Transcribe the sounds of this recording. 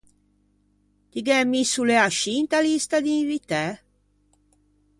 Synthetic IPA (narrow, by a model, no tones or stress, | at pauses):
t̪iɡɛmːisulɛaʃint̪alist̪ad̪iɱvit̪ɛ